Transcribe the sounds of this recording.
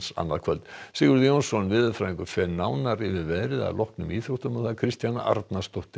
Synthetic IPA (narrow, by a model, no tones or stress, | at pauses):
sa̰nːaðkʰvœlt̪sɪɣʏɾðjownsɔnvɪðʏfɾaːĩŋkʏkʰvɛɾnaːwnaɾɪvɪɾvɛðɾɪða̰ðlɔhknʏmiːθɾowht̪ʏmawθaðkʰɾɪst̪jana̰ʔa̰ɾt̪nast̪ɔht̪ɪ